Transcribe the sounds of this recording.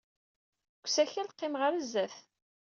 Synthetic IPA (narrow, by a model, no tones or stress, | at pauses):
kʷːsæçælqːɪmʁəɾəzːæθ